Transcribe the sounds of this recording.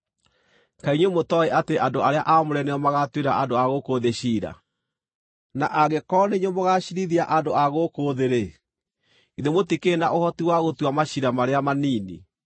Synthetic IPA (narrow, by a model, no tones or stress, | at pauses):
kaiɲwemotɔeʔateʔandoaɾeaʔamoɾɛneɔmaɣatweɾaʔadoaɣokoːðeɕiːɾa̰ | naʔaɣekɔːneɲomoɣaɕiɾiðiaʔandoaɣokoːðeɾe | iðemotikenaʔohɔtiwaɣotwamaɕiɾamaɾeamaniːnḭ